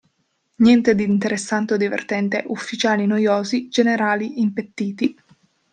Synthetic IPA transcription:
njɛnt̪ed̪int̪eɾesːant̪od̪ivḛrt̪ɛnt̪eʔufːit͡ʃaːlinojoːzid͡ʒeneɾaːliimpet̪ːiːt̪i

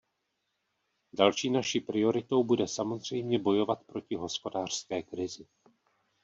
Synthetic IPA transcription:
dalʃiːnaʃiːpɾɪo̞ɾɪt̪o̞wbudɛsamo̞zr̝ɛjmɲɛbo̞jo̞vat̪pɾo̞cɪɦo̞spo̞daːr̝̥skɛːkɾɪzɪ

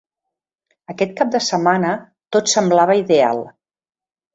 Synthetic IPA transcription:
əkɛt̪̚kap̚d̪əsəmanə | t̪ot̪səmblaβ̞əiðea̰lˠ

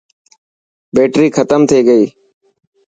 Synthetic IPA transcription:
beːʈɾiːkʰət̪əmt̪ʰeːɡəiː

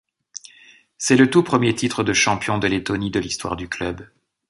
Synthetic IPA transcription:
sɛlət̪upχəmjet̪it̪χəd̪əʃɑ̃pjɔ̃d̪əlet̪ɔnid̪əlist̪wa̰ʁd̪yklœb

